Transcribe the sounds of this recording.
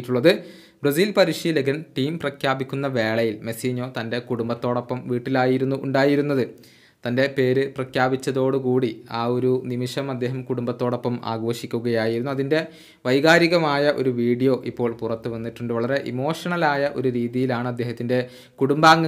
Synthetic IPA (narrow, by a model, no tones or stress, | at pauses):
ʈːuɭːɐðɨ | brɐs̬iːlpɐɾiʂɐjileɡɐnʈiːmprɐkʰjaːbikʲːunːɐʋe̞ːɭɐjilme̞siːɲo̞ːt̪ɐnde̞kuɽumbɐt̪ːo̞ːɽo̞pːɐmʋiːʈːilaːjiɾunːuʔuɳɖaːjiɾunːɐðɨ | t̪ɐnde̞pe̞ːɾɨprɐkʰjaːbit͡ɕːɐðo̞ːɽɨkuːɽiaːo̞ɾunimiʂɐmɐd̪ːe̞ːɦɐmkuɽumbɐt̪ːo̞ːɽo̞pːɐma̰ːɡʋoːʂikʲːuɣɐjaːjiɾunːuɐðinde̞ | ʋɐjɣaːɾiɣɐmaːjɐʔo̞̰ɾuʋiːɽijo̞ːʔipːo̞ːɭpurɐt̪ːuɨʋɐnːiʈːuɳɖɨʋɐɭɐɾe̞ʔimo̞ːʂɐɳɐlaːjɐʔo̞̰ɾuɾiːðijilaːɳɨɐd̪ːeːɦɐt̪ːinde̞ | kuɽumbaːŋːɐ